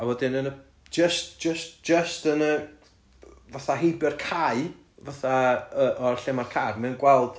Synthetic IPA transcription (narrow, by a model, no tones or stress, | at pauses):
awɔdɪnənə̥ | d͡ʒəstd͡ʒəstd͡ʒ̥əstənə | vaθaɦejbɪrkʰaɨ | vaθaəʔɔrɬɛmarkʰarmɛnɡwɛlˠd̥